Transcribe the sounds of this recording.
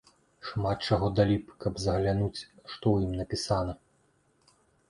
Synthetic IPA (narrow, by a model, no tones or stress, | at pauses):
ʂmat̪̚t͡ʂaɣɔd̪alʲipkɐbzɐɣlʲanut͡sʲʂt̪ɔwjimnɐpʲisanɐ